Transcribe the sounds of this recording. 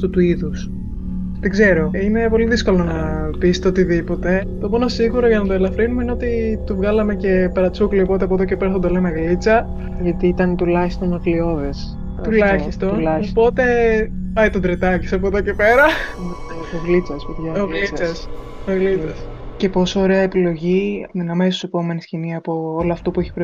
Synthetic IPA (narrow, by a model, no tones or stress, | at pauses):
ɐft̪ut̪uiðus | t̪iɡze̞ɾoine̞po̞liðisko̞lo̞nɐpist̪eot̪iðipo̞t̪e̞t̪o̞mo̞nosiɣuɾoʝɐnɐt̪oelɐfɾinumeineo̞t̪it̪uvɣɐlɐme̞ce̞pɐɾɐt͡sukliopo̞t̪eɐpoðocepeɾɐsθod̪olenɐɣlit͡sɐ | ʝɐt̪iit̪ɐnt̪ulɐçist̪onɐklio̞ðes | t̪ulɐçist̪o̞nulɐopo̞t̪e̞pɐjt̪od̪ɾet̪ɐci̥sɐpoðocepe̞ɾɐ | oɣlit͡sɐsojɐoliɐs | oɣlit͡sɐsce̞po̞soːɾe̞ɐepilo̞ʝiinɐmesose̞po̞me̞nisciniɐpo̞olɐɐft̪o̞pueçi̥pɾ